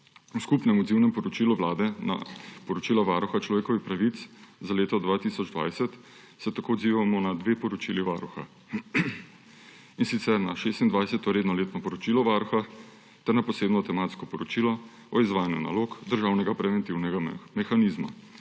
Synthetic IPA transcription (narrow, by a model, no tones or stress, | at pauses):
uskupnɛmɔd̪ziwnɛmpɔɾɔt͡ʃiːluʋlaːd̪ɛna̰pɔɾɔt͡ʃiːlaʋaːɾuxat͡ʃlɔʋeːkɔʋixpɾaʋit̪szaleːt̪ɔd̪ʋaːt̪isɔd͡ʒd̪ʋa̰jsɛt̪ | sɛt̪akoːɔd̪ziːʋamɔnad̪ʋeːpɔɾɔt͡ʃiːliʋaɾuxa̰ | insit̪sɛɾnaʃest̪ind̪ʋajsɛt̪ɔɾeːd̪nɔleːt̪nɔpɔɾɔt͡ʃiːlɔʋaɾuxa | t̪ɛɾnapɔseːbnɔt̪ɛmaːt̪skɔpɔɾɔt͡ʃiːlɔ | ɔizʋaːjanjuna̰loːkd̪əɾʒaːwnɛɡapɾɛʋɛnt̪iwnɛɡamɛxanizma̰